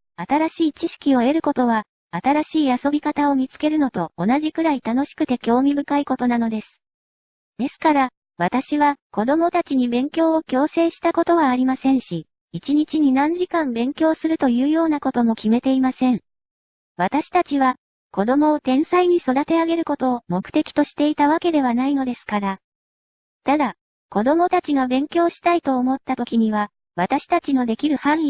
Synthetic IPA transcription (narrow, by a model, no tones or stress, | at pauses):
at̪aɾaɕiːt͡ɕiɕi̥kʲio̞e̞ɾɯ̟ko̞t̪o̞β̞aː | t̪aɾaɕiːaso̞bʲikat̪ao̞mʲit͡sɨ̥ke̞ɾɯ̟no̞t̪o̞ːnaʑikɯ̟ɾait̪ano̞ɕi̥kɯ̟t̪e̞kʲo̞ːmʲibɯ̟kaiko̞t̪o̞nano̞d̪e̞sɨ̥ | d̪̥e̞sɨ̥kaɾa | βat̪aɕiβako̞d̪o̞mo̞t̪at͡ɕiɲ̟ibẽ̞ŋkʲo̞ːokʲo̞ːse̞ːɕi̥t̪ako̞t̪o̞βaːɾʲimasẽ̞ɰ̃ɕi | it͡ɕiɲ̟it͡ɕiɲ̟inãɲ̟d͡ʑikãmbẽ̞ŋkʲo̞ːsɨɾɯ̟t̪o̞jɯ̟ːjo̞ːnako̞t̪o̞mo̞kʲime̞t̪e̞imasẽ̞ɴ | βat̪aɕi̥t̪at͡ɕiβa | ko̞d̪o̞mo̞ːt̪ẽ̞ɰ̃saiɲ̟iso̞d̪at̪e̞aɡe̞ɾɯ̟ko̞t̪o̞ːmo̞kɯ̟̥t̪e̞kʲi̥t̪o̞ɕi̥t̪e̞it̪aβ̞ake̞d̪e̞βanaino̞d̪e̞sɨ̥kaɾa | t̪ad̪a | ko̞d̪o̞mo̞t̪at͡ɕiɡabẽ̞ŋkʲo̞ːɕi̥t̪ait̪o̞ːmo̞t̪ːat̪o̞kʲiɲ̟iβ̞a | βat̪aɕi̥t̪at͡ɕino̞d̪e̞kʲiɾɯ̟hãɰ̃i